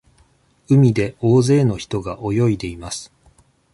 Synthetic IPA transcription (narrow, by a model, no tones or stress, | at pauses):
ɯ̟mʲid̪e̞o̞ːze̞ːno̞çi̥t̪o̞ɡaʔojo̞id̪e̞imasɨ̥